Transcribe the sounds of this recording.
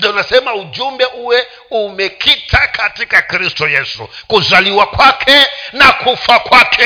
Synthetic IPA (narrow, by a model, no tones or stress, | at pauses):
anasemaud͡ʒumbeʔuwe | umekʰitʰakʰatikakristujesṵkuzʷaliwakwakʰenakʰufakwaːkʰe